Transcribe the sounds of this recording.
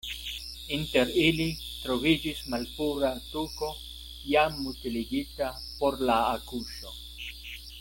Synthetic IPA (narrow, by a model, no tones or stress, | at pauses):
int̪eɾilit̪ɾovid͡ʒismalpuɾat̪uko̞ | jamːult̪iliɡit̪a | poɾlaːkuʃo